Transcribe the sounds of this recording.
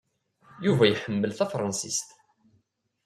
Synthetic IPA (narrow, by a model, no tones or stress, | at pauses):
juvæjħəmːəlθæfɾˤɑnsist̪